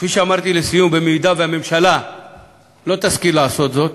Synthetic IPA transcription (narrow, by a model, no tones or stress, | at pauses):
fiʃamɐɾt̪ilesijũbemid̪avemɪmʃɐla | loːt̪ɐskilaːsoːt̪zoːt̪̚